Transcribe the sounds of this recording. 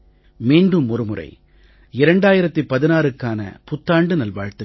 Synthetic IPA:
miːɳɖɯmɔɾɯmɯrɐ̰ɪ | ɪɾɐɳɖaːjɪɾɐt̪ːɯpɐðɪnaːɾɯkːaːnɐ̰pʊt̪ːaːɳɖɯnɐlʋaːɻt̪ːɯ

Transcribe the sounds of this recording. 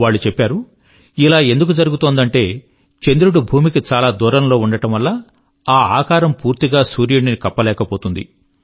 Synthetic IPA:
ʋaːɭːut͡ʃepːaːɾu | ilaːe̞nd̪uk̬ud͡ʒɐɾuɡut̪o̞ːnd̪ɐɳʈe̞ː | t͡ʃe̞nd̪ɾuɽubʱuːmikit͡ʃaːlaːd̪uːɾɐmlo̞ːuɳɖɐʈɐmʋɐlːɐ | aːa̰ːkaːɾɐmpuːɾt̪iɡaːsuːɾjuɳɖinikɐpːɐlɛːkɐpoːt̪und̪ḭ

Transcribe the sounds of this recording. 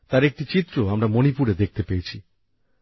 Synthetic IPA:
t̪aɾek̚ʈit͡ɕit̪ːɾoamɾamonipuɾed̪ek̚ʰt̪epejet͡ɕʰi

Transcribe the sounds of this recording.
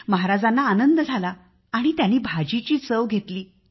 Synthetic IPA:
məɦaɾad͡zanːaːnənd̪əd͡zʱala | aɽ̃it̪janːiːbʱad͡ʑit͡ɕiːt͡səʋɡʱet̪liː

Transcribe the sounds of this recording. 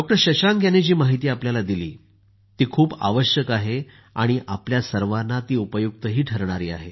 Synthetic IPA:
ɖɔk̚ʈəɾɕəɕaŋɡjanːed͡ʑiːmaɦit̪iːapljalad̪ilḭː | t̪iːkʰuːba̰ʋəɕjəkaɦe | aɽ̃iʔapljasəɾʋanːat̪iːupəjuk̚t̪əɦiːʈʰəɾɳ̃aɾiːa̰ɦḛ

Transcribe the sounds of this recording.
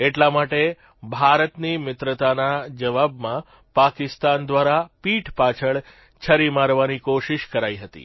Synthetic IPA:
eʈlamaʈe | bʱaɾət̪nimɪt̪ɾət̪anad͡ʒəʋabmã | pakɪst̪and̪ʋaɾapiʈʰpat͡ʃʰəɭ | t͡ʃʰəɾimaɾʋanikoʃiʃkəɾaiɦət̪ḭ

